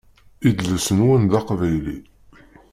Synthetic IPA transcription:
id̪ləsənwənðɑqvæjlḭ

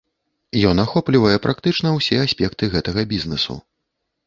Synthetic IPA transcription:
jɔnaxɔplʲivɐjɛpɾʔakt̪ɨt͡ʂnɐwsʲɛasʲpʲɛkt̪ɨɣɛt̪ɐɣɐbʲiznɛsṵ

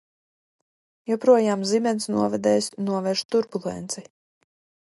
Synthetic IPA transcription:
jɔpɾuɔjaːmzimʲɛnsnuɔvɛd̪ɛːsʲnuɔvɛʃt̪uɾbulˠɛ̰nt̪si

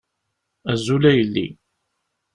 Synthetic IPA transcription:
æzːulæjəlːḭ

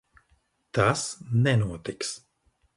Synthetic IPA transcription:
t̪asnɛnuot̪iks

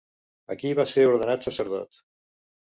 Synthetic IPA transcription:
əkiβaseɾuɾðənat̪səsəɾð̞ɔ̰t̪

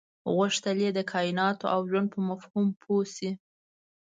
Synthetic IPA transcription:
ɣʊʂt̪əled̪əkʰɑjɪnɑt̪oʔawʒwand̪̚pəmafhumpʰosi

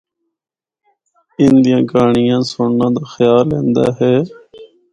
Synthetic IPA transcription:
ɪnd̪ɪjãːɡaːɳɪjãːsʊːɳnãːd̪aːxəjaːlːẽːnd̪a̰ːɦɛː

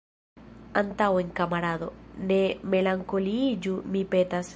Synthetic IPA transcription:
ant̪aweŋkamaɾaðonemelaŋkolid͡ʒumipet̪as

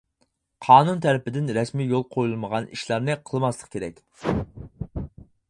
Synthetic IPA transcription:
qʰɑːnunt̪ʰæɾɪpɪd̪ɪnɾɛsmiːjolˠqʰojulˠməʁɑniʃlˠɑɾnɨqʰəlˠɨmɑslˠəqkʲʰeɾɛkʲ

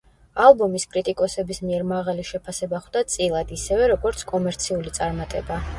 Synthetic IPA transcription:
alˠbɔmiskʼɾit̪ʼikʼɔsɛbismiɛɾmaʁaliʃɛpʰasɛbaχd̪at̪sʼilˠad̪isɛvɛɾɔɡɔɾt̪sʰkʼɔmɛɾt̪sʰiulit̪sʼaɾmat̪ʼɛba

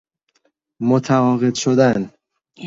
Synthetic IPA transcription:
mot̪ʰævɒːɣed̪ʃod̪æn

